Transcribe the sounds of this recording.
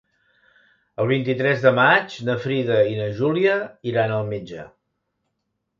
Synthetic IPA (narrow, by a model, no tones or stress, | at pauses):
əlˠβ̞int̪it̪ɾɛzðəmat͡ʃnəfɾiðəinəʒuliəiɾanəlˠmed͡ʒə̰